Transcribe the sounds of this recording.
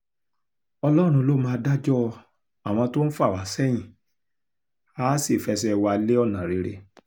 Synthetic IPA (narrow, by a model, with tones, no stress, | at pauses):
ɔ˧lɔ˦ɾ̃ũ˧lo˦mãː˧da˦d͡ʒɔ˦ | a˦˨w̃ɔ̃˧to˦n̩˦fa˦˨wa˨˦sɛ˦˨j̃ĩ˨ | aː˦si˦˨fɛ˧sɛ˦wa˧le˦ɔ˦˨nã˨ɾe˨˦ɾe˧